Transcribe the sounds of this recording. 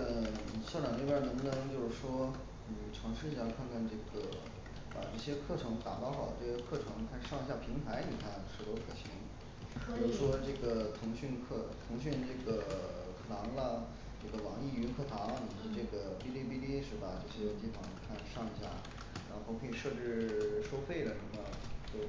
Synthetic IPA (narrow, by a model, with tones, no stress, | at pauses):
ɕjɑ˥˧ʊʈ͡ʂɑ˨˩ne˥˧jə˥˧˩nə˧˥ŋ˥nə˧˥t͡ɕjo˥˧ʊʂɻ̩˥˩ʂwɔ˥ | ni˩˨˩ʈ͡ʂʰɑ˧˥ŋʂɻ̩˥˩i˥˩ɕja˥˧˩kʰa˥˧nkʰa˥˧nʈ͡ʂɤ˥˩ɡə˩ | pa̰˨˩ʈ͡ʂɤ˥˩ɕjɛ˥kʰɤ˥˩ʈ͡ʂʰɤ˧˥ŋt̪a̰˨˩t̪ɑ˥˩ʊxɑ˨˩ʊd̪ə˦˧ʈ͡ʂɤ˥˩ɕjɛ˥kʰɤ˥˩ʈ͡ʂʰɤ˧˥ŋ˧kʰa˥˧nʂʂɑ˥˩˧ŋi˧˥ɕja˥˩pʰi˧˥ŋt̪ʰa˧˥ɪni˨˩kʰa˥˩nʂɻ̩˧˩t̪wkʰɤ˥˩ɕʰi˧˥ŋ | pɻu˥ʂwɔ˥ʈ͡ʂɤ˥˩ɡə˩t̪ʰʊ˧˥ŋɕy˥˧nkʰɤ˥˩t̪ʰʊ˧˥ŋɕy˥˧nʈ͡ʂɤ˥˩ɡə˩ | kʰɤ˥˩t̪ʰɑ˧˥ŋlə˧ | ʈ͡ʂɤ˥˩ɡə˩wɑ˨˩ŋi˥˩y˧˥kʰɤ˥˩t̪ʰɑ˧˥ŋlə˧ni˨˩ʂwɔ˥ʈ͡ʂɤ˥˩ɡə˩pi˥li˥˧pi˥˧t̪i˥ʂɻ̩˥˩ba˨˩ʈ͡ʂɤ˥˩ɕjɛ˥t̪i˥˩fɑ˥˩ŋ˨˩kʰa˥˧nʂɑ˥˧ŋi˧˥ɕja̰˥˩ | ɻa˧˥xo˥˧˥kʰɤ˧˥i˨˩ʂɤ˥˧ʈ͡ʂɻ̩˥˩ʂo˥ʊfe˥˩ɪd̪ə˩ʂə˧˥mə˧t͡ɕjo˥˧˩ʊ